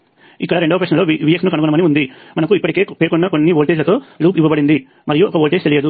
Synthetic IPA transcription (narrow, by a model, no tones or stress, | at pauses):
ikːɐɽɐɾeɳɖɐʋɐpɾɐʂɐlo̞ːʋiːjeksnukɐnuɡunɐmɐniund̪imɐnɐkuipːɐʈike̞ːpeːɾkɔnːɐko̞nːiʋolʈed͡ʒlɐt̪o̞ːluːpiʋɐbɐɽind̪i | mɐɾijuɔkɐʋolʈest̪elijɐd̪u